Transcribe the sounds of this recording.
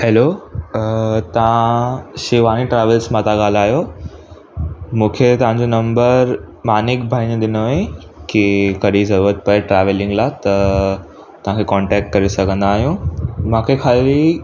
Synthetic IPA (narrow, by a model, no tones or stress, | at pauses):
heːlo | t̪ɐʋ̤ãʃɪʋaːniʈɾaːʋəlsmãːt̪aɠaːl̤aːɦjo | mũːkʰet̪ɐʋ̤ãɲd͡ʑonɐ̃mbəɾ | maːnɪkbʱaːinɗ̪ɪnoẽ | kikɐɗizɐɾuɾət̪̚pɐeʈɾaːʋɪlɪ̃ŋɡlat̪ɐ | t̪ɐʋ̤ãkʰekɔ̃ːɳʈɛːk̚ʈ̚kɐɾesɐɡʱə̃nd̪aːɦijũːmãːkʰekʰaːʋi